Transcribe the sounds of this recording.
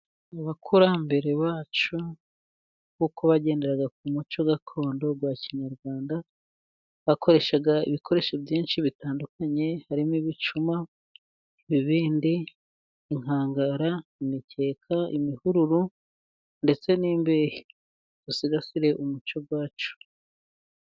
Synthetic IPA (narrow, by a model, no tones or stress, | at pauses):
aβakʰuɾambe̞ɾe̞βaːt͡ʃu | kukoβaɟe̞ːnde̞ɾaɡak̚umut͡ʃo̞ɡakʰo̞ːndo̞ɡwaːciɲaɾɡwaːnda | βako̞ɾe̞ʃaɡaḭβikʰo̞ɾe̞ʃobjiːnʃiβitaːndukʰaɲe̞haɾimiβit͡ʃuma | βiβiːndiː | ŋhaːŋɡaɾaimice̞ːkʰaḭmihuɾuɾu | nde̞t͡se̞niːmbeji | z̥usiɡasiɾe̞ʔumut͡ʃo̞ɡwaːt͡ʃu̥